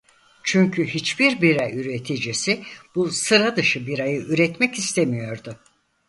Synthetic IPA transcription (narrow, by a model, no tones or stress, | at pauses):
t͡ʃʰyɲcʰyɦit͡ʃbiɾbiɾɛyɾet̪ʰid͡ʒisib̥usɯɾad̪ɯʃɯbiɾajɯʔyɾɛt̪mɛcist̪ʰemijo̞ɾd̪ʊ